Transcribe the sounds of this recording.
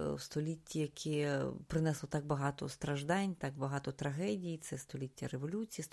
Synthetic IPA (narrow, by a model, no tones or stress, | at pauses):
wst̪ɔlʲitʲːijɐkʰipɾɪnɛslˠɔt̪ɑk̚bɐɦɑt̪ɔ̰st̪ɾɐʒd̪ɑnʲt̪ɑkbɐɦɑt̪ɔt̪ɾɐɦɛdʲijit̪sɛst̪ɔlʲitʲːɐɾeʋɔlʲut͡sʲiji